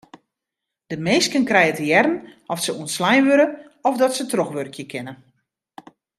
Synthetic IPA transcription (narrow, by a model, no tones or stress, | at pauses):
d̥əmeːskənkrɛjətəjɛrnɔfsəuənslajnʋøɾə | ɔfdɔtsətrɔxʋørkjəkʰɪnə